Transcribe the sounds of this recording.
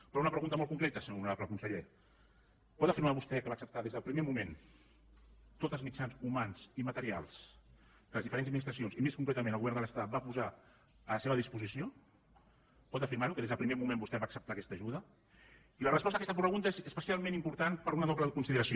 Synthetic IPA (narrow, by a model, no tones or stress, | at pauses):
pɾɔunəpɾəɣunt̪əmɔlˠkuŋkɾet̪əseunapləkunsəʎe | pɔt̪əfiɾmaβust̪ɛkəβaːksəp̚t̪aðezðəlˠpɾimemumen | t̪ot̪əlˠzmit͡ʃanzumanz̥imət̪əɾialˠs | kələzðifəɾenzəd̪minist̪ɾəsijonzimeskuŋkɾɛt̪əmẽnəlɣuβɛɾnd̪ələst̪at̪̚bapuza | ələseβəðispuzisio | pɔt̪əfiɾmaɾukəðezðəlpɾimemumẽmbust̪ɛβaːksəp̚t̪akɛst̪əʒuðə | ilərəspɔst̪əkɛst̪əp̬ɾəɣunt̪əezəspəsialˠmẽnimpuɾt̪anpəɾunəðɔpləðəkunsiðəɾəsio